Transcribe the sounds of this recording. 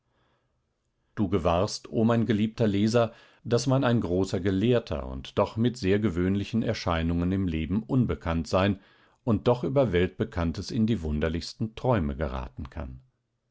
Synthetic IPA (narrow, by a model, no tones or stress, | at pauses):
d̥uːɡəvaɐstʰʔoːmaɪnɡəliːp̚tɐleːzɐ | d̥asmanaɪnɡʁoːsɐɡəleːɐtʰɐ̰ʊ̰ntd̥ɔχmɪtz̥eːɐɡəvøːnlɪçn̩ɛɐʃaɪnʊŋənɪmleːbm̩ʔʊnbəkʰantz̥aɪn | ʔʊnt̚d̥ɔχʔyːbɐvɛlt̚b̥əkʰantəsɪndiːvʊndɐlɪçstn̩tʁ̥ɔʏməɡə̰ʁa̰ːtn̩kʰa̰n